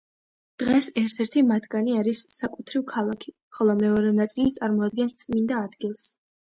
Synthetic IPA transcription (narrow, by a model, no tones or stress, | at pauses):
d̪̥ʁɛsɛɾt̪ʰɛɾt̪ʰimat̪ʰɡaniaɾisːakʼut̪ʰɾivkʰalˠakʰi | χɔlˠɔmɛɔɾɛnat̪sʼilit̪sʼaɾmɔad̪̚ɡɛnst̪sʼmind̪aːd̪ɡilˠs